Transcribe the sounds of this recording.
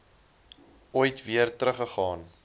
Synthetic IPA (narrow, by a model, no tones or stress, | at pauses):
ujtviərtɾəχəχɑːn